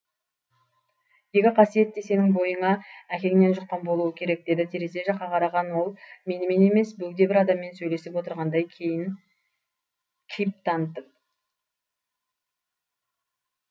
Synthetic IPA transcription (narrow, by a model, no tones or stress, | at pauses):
je̞kʲɪqʰɑsije̞t̪̚d̪e̞se̞mɪŋbo̞jəɴɑækʲe̞ŋɪne̞nʒʊqːɑnbo̞lˠuwəkʲʰe̞ɾe̞k̚d̪e̞d̪ɪt̪ʰeɾese̞ʒɑqːɑqʰɑɾɑʁɑnwo̞lˠme̞nɪme̞ne̞me̞sbɵɡʲd̪e̞bɪɾɑd̪ɑmːe̞nsɵjle̞sɪpwo̞t̪əɾʁɑnd̪ɑjʰejn | kʲʰijp̚t̪ʰɑnət̪ːəp̚